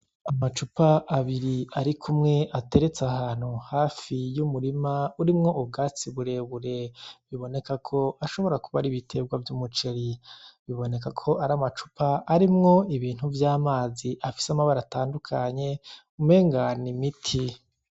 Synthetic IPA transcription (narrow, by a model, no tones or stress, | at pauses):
amat͡ʃupaʔːβiɾiaɾikʰumŋe̞ʔate̞ɾe̞t͡sahaːn̥huhaːfijumuɾimauɾimŋo̞ʔub̚ɡaːt͡siβuɾe̞βuɾe̞βiβo̞ne̞kakʰo̞aʃo̞βo̞ɾakuβaɾiβitʰe̞bɡwavjumut͡ʃe̞ɾiβiβo̞ne̞kakʰo̞ʔaɾamat͡ʃu̥paːɾimŋo̞iβiːn̥huvjaːmaːziʔafi̥samaβaɾataːndukʰaɲe̞ | ume̞ːŋɡanimitʰi